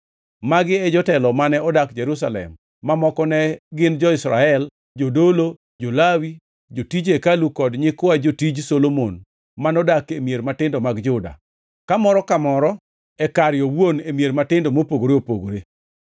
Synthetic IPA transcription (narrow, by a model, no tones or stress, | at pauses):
maɡɪɛd͡ʒɔtɛlɔmanɛɔdakd͡ʒeɾus̬alɛ̰mː | amɔkɔnɛɡɪnd͡ʒɔɪsɾa̰ɛl | d͡ʒodolo | d͡ʒolawi | d͡ʒotid͡ʒekalukɔdɲɪkʊad͡ʒotid͡ʒsolomon | manɔdakemjeɾmatɪndɔmaɡd͡ʒʊda̰ | kamɔɾɔkamɔɾɔ | ɛkaɾjɔwwonemjeɾmatɪndomopoɡoɾeopoɡoɾe